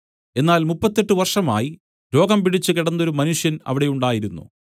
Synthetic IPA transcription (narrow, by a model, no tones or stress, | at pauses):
e̞nːaːlmupːɐt̪ːe̞ʈːɨʋɐrʂɐma̰ːji | ɾo̞ːɡɐmpiɽit͡ɕːɨkiɽɐnːo̞ɾumɐnuʂjɐnɐ̰ʋiɽe̞juɳɖaːjiɾunːṵ